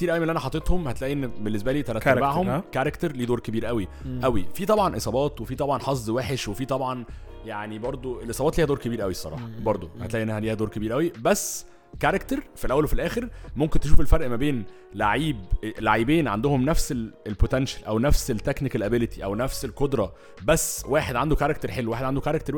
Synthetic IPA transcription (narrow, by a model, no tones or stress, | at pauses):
kkt̪iːɾʔæwjimenʔænæħɑt̪ˤːet̪homhæt̪læːʔiʔenːbenːesbæliːt̪æɾɑtæbaʕhomkæɾˤekt̪eɾliːd̪oːɾkebiːɾʔæwiʔæwifiːt̪ˤɑbʕɑnʔḛsˤɑːbɑːt̪wefiːt̪ˤɑbʕɑnħɑzˤdweːħeʃwefiːt̪ˤɑbʕɑn | jaʕnibɑɾˤd̪ˤoʔelʔesˤɑːbɑːt̪liːhæd̪oːɾkebiːɾʔæwisˤːɑɾˤɑ̰ːħɑbɑɾˤd̪ˤohæt̪læʔenːæhæliːhæd̪oːɾkebiːɾʔæwibæsː | kæɾˤekt̪eɾfilʔæwːælwefilʔæːxeɾmomkent̪eʃuːfelfɑɾˤʔmæbeːn | laʕiːblaʕiːbeːnʕa̰nd̪ohomnæfseelpot̪ænʃælʔæwnæfselt̪ːæknikælʔæbelet̪i̥ʔæwnæfselkod̪ɾˤɑ | bæsːwaːħed̪ʕand̪ukaɾˤɑkt̪eɾħelːweːħed̪ʕand̪okaɾekt̪eɾw